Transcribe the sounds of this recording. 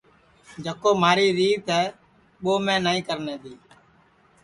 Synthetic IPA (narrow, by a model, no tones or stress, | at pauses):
d͡ʒəkoːmaːɾiːɾiːt̪ɦɛː | ɓoːmẽːnaːĩːkəɾnẽːt̪iː